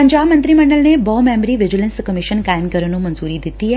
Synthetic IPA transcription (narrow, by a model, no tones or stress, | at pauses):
pəɲd͡ʒabmə̃nt̪ɾiməɳɖəlnebɔmɛmɾiʋɪd͡ʒilənskəmiʃənkajəmkəɾənũmənzuɾid̪it̪ie